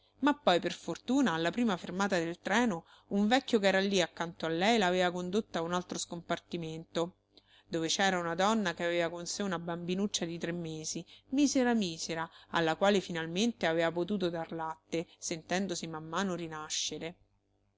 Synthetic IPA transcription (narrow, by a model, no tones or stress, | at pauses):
mapːɔjperfort̪uːnaːlːapɾiːmafermaːt̪ad̪elt̪ɾɛːno | uɱvɛkːjok̬ɛːɾalːiakːant̪oalːɛjlaːveːvakond̪ot̪ːaunalt̪ɾoskompart̪iment̪o | d̪ovet͡ʃɛːɾaunad̪ɔnːakeaveːvakonseunabambinut͡ʃːad̪it̪ɾemːeːzimiːzeɾamiːzeɾaalːakwaːlefinalment̪eaveːvapot̪̬uːt̪̬od̪arlat̪ːesent̪ɛnd̪osimamːaːnoɾinaʃːeɾe